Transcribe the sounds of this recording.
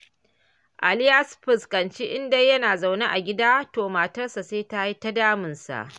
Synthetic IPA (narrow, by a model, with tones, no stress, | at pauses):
ʔa̰˨lɪ˦jɐ˦sɸɪ˨skɐ˨nt͡ʃi˦ʔɪ˦nda˦jːɐ˦naː˨za˨wna˦ʔa˨ɡʲɪ˦daː˦toː˨maː˨tɐ˦rsa˨seː˦ta˦ji˦ta˦daː˦mɪ˨nsa̰˨ʔ